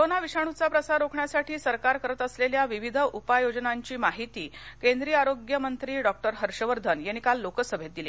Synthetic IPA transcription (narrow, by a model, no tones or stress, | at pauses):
ɾonaʋiʂaɽ̃ut͡sapɾəsaɾokʰɳjasaʈʰiːsəɾkaɾkəɾət̪əsleljaʋiʋid̪ʱəʔupajod͡ʑnaɲt͡ɕiːmaɦit̪iːkend̪ɾijaɾoɡjəmənt̪ɾiːɖɔk̚ʈəɾɦəɾɕəʋəɾd̪ʱənjenikalːokəsəbʱet̪̚d̪ile